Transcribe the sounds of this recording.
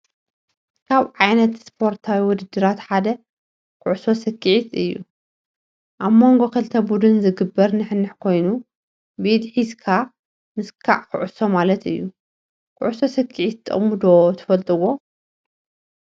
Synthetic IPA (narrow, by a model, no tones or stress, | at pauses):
kʰaβʕajnɐt̪spʰo̞ɾt̪ʰawiwɔd̪ɨd̪ːɨɾat̪ħad̪ɐ | kʰɨʕuso̞sɨkʰʼːiʕit̪ɨjːu | ʔaβmo̞ŋɡo̞kʰɐlt̪ʰɐbud̪ɨnzɨɡɨbːɐɾnɨħɨnːɨħkʰo̞jnu | bid̪ħizkʰa | mɨskʰa̰ʕkʰɨ̰ʕʊso̞malɐt̪ɨjːu | kʰɨ̰ʕuso̞sɨkʰːiʕit̪t̪ʰʼːɐ̰mud̪ot̪ʰɐ̥fɐlt̪ʼɨwo̞